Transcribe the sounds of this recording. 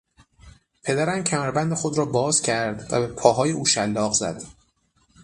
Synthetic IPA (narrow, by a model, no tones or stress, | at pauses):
pʰe̞d̪æɾæmcʰæmæɾbænd̪e̞xo̞d̪ɾɒːbɒːz̥cʲʰæɾd̪væ̰be̞pʰɒːɦɒːje̞uːʃælːɒːɣzæ̰d̪̥